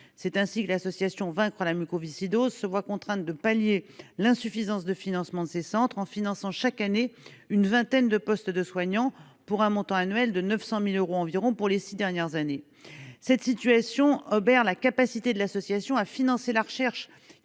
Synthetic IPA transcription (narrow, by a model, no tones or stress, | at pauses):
sɛt̪ɛ̃sikəlasɔsjasjɔ̃vɛ̃kχəlamykovisid̪ozsəvwakɔ̃t̪χɛ̃d̪əpaljelɛ̃syfizɑ̃sd̪əfinɑ̃smɑ̃d̪əsesɑ̃t̪χɑ̃finɑ̃sɑ̃ʃakaneynvɛ̃t̪ɛnd̪əpɔst̪d̪əswaɲɑ̃ | puʁɛ̃mɔ̃t̪ɑ̃anɥɛld̪ənœfsɑ̃miløʁoɑ̃viʁɔ̃puʁlesid̪ɛʁnjɛʁzane | sɛt̪sit̪ɥasjɔ̃ɔbɛʁlakapasit̪ed̪əlasɔsjasjɔ̃afinɑ̃selaʁʃɛʁʃ